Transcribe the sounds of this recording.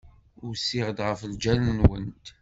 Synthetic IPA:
ʊɾsːɪʁəd̪ʁəfld͡ʒælnənwə̰nt̪

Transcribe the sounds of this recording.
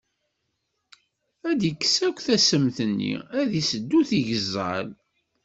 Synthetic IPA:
æd̪əkːsækʷθæsəmθənːḭæðisəd̪ːuθiʝəzːə̰l

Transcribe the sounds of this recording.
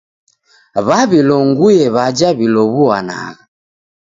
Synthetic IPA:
βaβilɔŋɡujɛβad͡ʒaβilɔβuana̰ɣa

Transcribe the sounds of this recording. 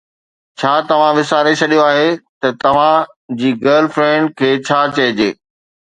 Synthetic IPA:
t͡ɕʰaːt̪ɐʋ̤ãʋɪsaːɾet͡ɕʰɐɗijoaːɦet̪ɐt̪ɐʋ̤ã | d͡ʑiːɡəːlfɾɛ̃ːɳɖ̚kʰeːt͡ɕʰaːt͡ɕɐɦɪd͡ʑeː

